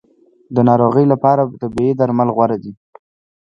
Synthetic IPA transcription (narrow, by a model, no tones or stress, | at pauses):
d̪ənɑɾoɣəjlapɑɾad̪əbed̪aɾmalɣwaɾad̪i